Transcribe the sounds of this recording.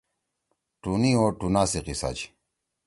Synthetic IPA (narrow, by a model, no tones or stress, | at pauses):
ʈunioʈunaːsiqisa̰t͡ɕ